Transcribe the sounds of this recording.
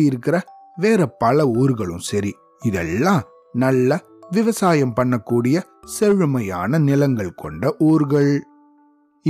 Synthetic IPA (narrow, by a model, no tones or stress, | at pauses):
jɪɾɯkːɪɾɐ | ʋeːɾɐpɐlɐuːɾɣɐɭɯ̰̃msɐɾi | ɪðɛ̰lːãː | nɐlːɐ | ʋɪʋɐsaːjɐmpɐɳːɐkːuːɽɪjɐ | sɛɻɯmɐjaːnɐnɪlɐŋɡɐɭkʰɔɳɖɐʔuːɾɣɐɭ